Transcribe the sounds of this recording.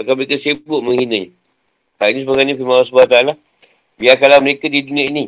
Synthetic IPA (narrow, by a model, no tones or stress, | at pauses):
bakaməɾekəsibʊʔmə̃ŋhinə̃ɲ | k̪ainĩsəbaɡajnipimawasbaat̪aala | biakalaməɾekadidunĩãinĩ